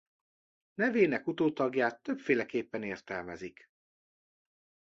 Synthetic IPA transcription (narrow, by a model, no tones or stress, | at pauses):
nɛveːnɛkut̪oːt̪ɒɡjaːt̪ːø̞pfeːlɛkeːpːɛneːrt̪ɛlmɛzik